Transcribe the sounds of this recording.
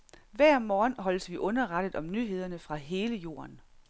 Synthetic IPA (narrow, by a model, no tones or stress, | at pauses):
ʋæɐ̰mɒːnɦɒ̽l̰əsʋiʔɔ̽nɐʁɑ̈d̥əð̩ˠɒ̽mnyɦe̝ð̞̰ˠɐnəfʁɑ̈ɦe̝ːləjo̝̰ːɐn